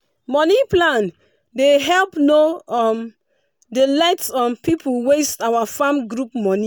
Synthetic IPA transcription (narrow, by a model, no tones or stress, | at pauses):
mɔniplãn | deɦɛlpnoɔm | delaɪtsɔ̃npipʰulwestawafãmɡɹup̚mɔ̃nĩ